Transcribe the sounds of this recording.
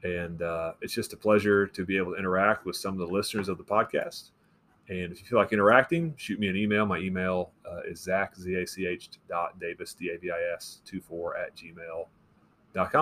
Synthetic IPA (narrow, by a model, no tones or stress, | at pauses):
ɨ̃nʌɨtsd̥ʒ̥ʌstəpʰl̥ɛʒə˞ɾɨbieɪbl̩ˠtʰɨɪ̃ɾ̃ə˞æk̚t̚wɨð̥sʌ̃mʌvðəlɪsnə˞zʌvðəpʰɑd̚kʰæ̰st | ɨ̃nɨfjɨfilaɪkɪ̃ɾ̃ə˞æk̚tɪ̃ŋʃʉt̚miɨ̃nimeɪlˠmaɪimeɪlˠʌɪ̰zzækzieɪsieɪt͡ʃd̥ɑt̚d̥eɪvɨsd̥ieɪbiaɪɛstʰʉfɔɹɨ̰t̚d̥ʒ̥imeɪlˠ | d̥ɑt̚kʰɑ̃